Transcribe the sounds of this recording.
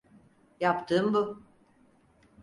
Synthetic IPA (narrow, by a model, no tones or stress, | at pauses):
japt̪ʰɯːmbu